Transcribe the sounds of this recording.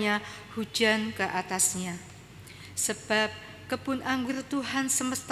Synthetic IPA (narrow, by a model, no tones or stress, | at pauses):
a | hu̥d͡ʒankəʔat̪asɲa | səb̥ap̚ | kəbʊnʔaŋɡʊrt̪uɦansəməst̪